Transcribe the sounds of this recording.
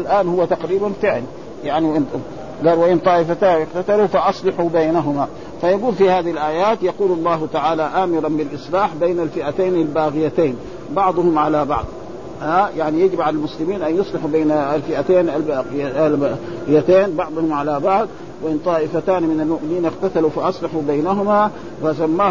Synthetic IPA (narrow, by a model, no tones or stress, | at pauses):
alʔaːnhʊwːat̪aqɾiːbanfɪʕl | jaʕnin | ɡɑːlwaʔɪnt̪ˤɑːʔɪfat̪aːnʔɪqt̪at̪alufɑʔɑsˤlɪħubaːnaɦʊma | fajaɡuːlfihaːðihilʔaːjaːt̪jɑquːlɑlˤːɑːɦt̪aʕaːlaʔaːmɪɾˤɑnbɪlʔɨsˤlaːħbeːnalfɪʔat̪eːnalbaːɣɪjat̪eːn | bɑʕd̪ˤʊhʊmʕalabɑ̰ʕd̪ˤ | hajaʕnijad͡ʒɪbʕalalmʊslɪmiːnʔanjʊsˤlɪħubeːnaalfɪʔat̪eːnʔalbaːɣaaɣɪjat̪eːnbɑʕd̪ˤʊhʊmʕalabɑʕd̪ˤ | wɪʔɪnt̪ˤɑːʔɪfat̪aːnimɪnalmʊʔmɪniːnʔɪqt̪at̪alufɑʔɑsˤlɑħubajnaɦʊma | fasamːaː